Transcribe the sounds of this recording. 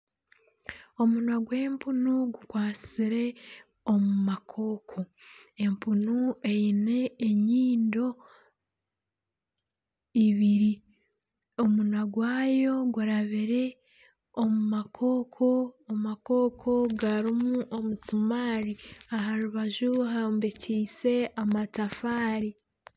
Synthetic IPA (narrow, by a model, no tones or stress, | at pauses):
o̞munwaɡwe̞ːmpʰunuɡukwaːt͡siɾe̞ | omumakʰo̞ːkʰo̞e̞mpunue̞jine̞ːɲiːndo̞ | iβiɾi | o̞munaɡwaːjo̞ɡwuɾaβiɾe̞ | omumakʰo̞ːkʰo̞ːmako̞ːkʰo̞ɡaɾimuʔomutumaːɾiaɦaɾuβaʒuɦaːmbiciːse̞amatafaːɾi